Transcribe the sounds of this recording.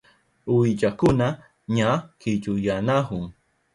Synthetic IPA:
uid͡ʒakʊna | ɲakɪd͡ʒujanaɦʊŋ

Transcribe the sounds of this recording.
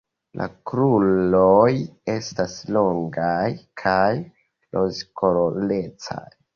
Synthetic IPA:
lʔa̰kɾuloje̞staslo̞ŋɡajkʰaj | lʔozkolole̞t͡sa̰j

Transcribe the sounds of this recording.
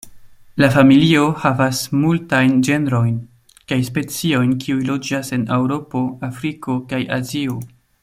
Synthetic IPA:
lafamilio̞havasmultajnd͡ʒe̞neɾo̞jn | kajspe̞t͡sio̞jnkʰiujlo̞d͡ʒase̞newɾo̞po̞afɾiko̞kaja̰zio̞

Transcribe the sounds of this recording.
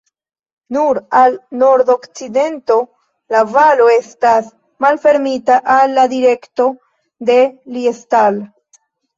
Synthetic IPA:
nuɾalno̞ɾdo̞kt͡side̞nto̞ | lavalo̞e̞stas | malfe̞ɾmitaʔalːadiɾe̞kto̞ | de̞liestal

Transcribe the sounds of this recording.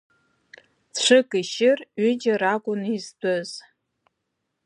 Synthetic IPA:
ʈ͡ʂʷʰɨkʼiʃɪrɥʏd͡ʒaɾakʷʼʊnizdʷɨz

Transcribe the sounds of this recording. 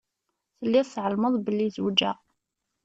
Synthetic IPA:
θəlːiðθʕəlməðˤbəlːizwd͡ʒæ

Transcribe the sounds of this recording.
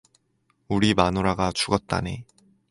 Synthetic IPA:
uɾimanoɾaɡat͡ɕuɡʌt̚t͈a̰ne

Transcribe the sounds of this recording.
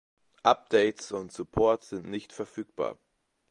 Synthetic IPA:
ʔap̚d̥ɛɪtsʊntz̥upʰɔɐtz̥ɪntnɪçtfɛɐfyːk̚b̥a̰ːɐ

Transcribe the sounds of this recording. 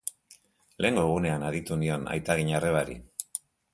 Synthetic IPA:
le̞ːŋɡo̞eɣ̞une̞anaðit̪unio̞na̰jt̪aɣiɲare̞β̞aɾḭ

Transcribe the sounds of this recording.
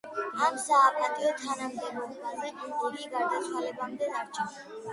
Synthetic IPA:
amsaːpʼat̪ʼiɔt̪ʰanamd̪ɛbɔkʰmaɾmɛkʼult̪ʼuɾiɡaɾd̪at̪ʰwalɛbamd̪ɛd̪aɾt͡ʃʰɔn

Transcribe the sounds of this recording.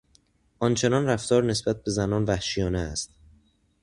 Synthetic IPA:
ʔɒnt͡ʃʰe̞nɒːnræft̪ɒːɾne̞sb̥æt̪̚be̞zænɒːnvæhʃijɒːneæst̪̚

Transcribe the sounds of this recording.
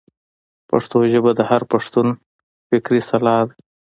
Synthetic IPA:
pa̰ʂt̪oʒəbad̪əhaɾpaʂt̪un | fɪkɾisalɑːd̪

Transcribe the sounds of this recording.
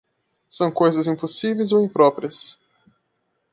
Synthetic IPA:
sɐ̃w̃kojzɐzĩposivejzoĩpɾɔpɾiɐs

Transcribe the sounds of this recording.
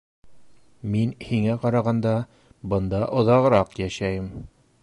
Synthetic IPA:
minhiŋæqɑɾɑʁɑnd̪ɑ | bɤ̆nd̪ɑʔŏðɑʁɤ̆ɾɑqjæʃæjɘm

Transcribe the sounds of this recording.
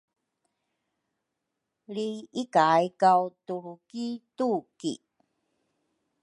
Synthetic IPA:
liikajkawtuɾukitukḭ

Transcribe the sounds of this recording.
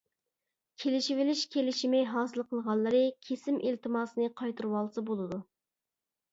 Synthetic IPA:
kʲʰelɪʃivɪlɪʃkʲʰelɪʃimɛjɦɑːsɨlˠqʰəlˠʁɑlˠːəɾɨkʲʰesɪmʔilt̪ʰɨmɑːsɨnɨqʰɑjt̪ʰɨɾwɑlˠsɨbolˠɨd̪u

